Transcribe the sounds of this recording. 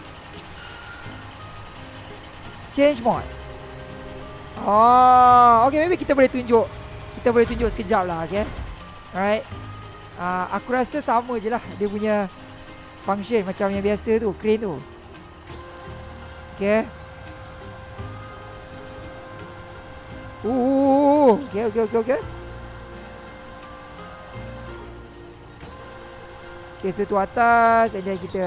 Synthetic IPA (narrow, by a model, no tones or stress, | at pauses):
t͡ʃẽnd͡ʒmɔ̰t̚ | ɔ | okemebikit̪aboleht̪uɲd͡ʒoʔ | kit̪aboleht̪uɲd͡ʒʊʔsə̥kəd͡ʒap̚lahoke | ɹajt̚ | aʔa̰kuɾasəsamə̃d͡ʒəlahdiəp̬uɲə | paŋʃənmat͡ʃamjãbiasət̪ukɾint̪u | oke | o | okeokeokeoke | okesət̪uat̪asɛndɛnkit̪ə